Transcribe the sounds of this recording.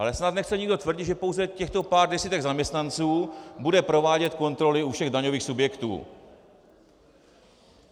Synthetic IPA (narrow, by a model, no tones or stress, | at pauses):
ʔalɛsnat̪nɛxt͡sɛɲɪɡdo̞t̪vr̩ɟɪt̪ʒɛpo̞wzɛcɛxt̪o̞paːɾdɛsiːt̪ɛɡzamɲɛst̪nant͡suːbudɛpɾo̞vaːɟɛt̪ko̞nt̪ɾo̞lɪufʃɛɣdaɲo̞viːxsubjɛkt̪ṵː